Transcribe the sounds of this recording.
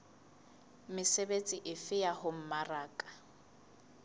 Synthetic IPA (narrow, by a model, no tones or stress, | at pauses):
mɪsebet͡sʼiʔɪfɪjahʊm̩maraːkʼḁ